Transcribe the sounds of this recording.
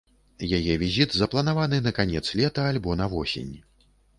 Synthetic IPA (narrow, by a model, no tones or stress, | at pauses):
jajɛvʲizʲit̪zɐplˠɐnavanɨnɐkanʲɛt̪slʲɛt̪ɐalʲbɔnɐvɔsʲḛnʲ